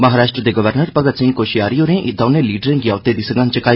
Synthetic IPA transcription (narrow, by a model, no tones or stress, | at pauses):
məɦaːɾaːʃʈɾəd̪eːɡəʋəɾnəɾpəɡət̪sɪ̃ŋɡkoːʃijaːɾiːoːɾẽʔɪd̪aːnẽːliːɖəɾẽːɡɪjaːʊt̪eːd̪iːsəɡãːnt͡ʃəkaːi